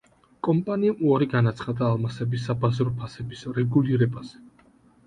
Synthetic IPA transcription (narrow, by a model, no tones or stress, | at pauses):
kʼɔmpʼaniamʔuaɾiɡanat̪sʰχad̪aːlˠmasɛbisːabazɾɔpʰasɛbisɾɛɡuliɾɛbaz̥ɛ